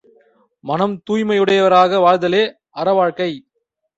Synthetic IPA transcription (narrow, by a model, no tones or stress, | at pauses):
mɐnɐmt̪uːjmɐjɯɽɐjɐʋɐɾaːɣɐʋaːɻd̪ɐleː | ɐɾɐʋaːɻkɐɪ